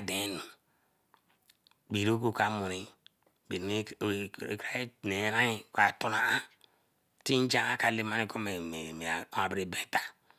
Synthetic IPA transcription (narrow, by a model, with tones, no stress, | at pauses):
a˨de˨˦nu˨ | bi˨ɾo˦ko˦ka˦mu˨ɾi˦ | be˨n˦˨ka˦ne˨˦ɾa˦i˦ka˨to˦na˨a˦ | ti˦n˦d͡ʒa˦ŋa˦ka˨le˨˦ma˦ni˦ko˦me˨me˨me˨a˨˦a˨bɾe˦˨be˨ta˨